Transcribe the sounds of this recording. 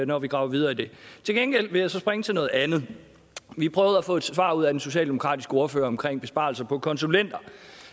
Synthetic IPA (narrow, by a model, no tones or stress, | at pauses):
nɒʋiɡ̥ʁɑ̈ʊɐʋið̞ˠɐːid̥e̝t͡sʰe̝lɡ̥enɡ̥el̰ʋe̝jäsɒ̽sb̥ʁeŋət͡sʰe̝lnɔ̽ːð̩ˠænð̩ˠ | ʋipʰʁœːʊð̞̩ˠæfɔ̰̽e̝d̥ʋɑ̰̈uð̰ˠædenso̝ɕɛ̰ːld̥emo̝kʰʁɑ̰̈ːd̥isɡ̥əo̝ɐfø̰ːɐɒ̽mkʰʁeŋ̰b̥e̝sb̥ɑ̈ːlsɐpʰɒ̽kʰɒ̽nsulen̰d̥ɐ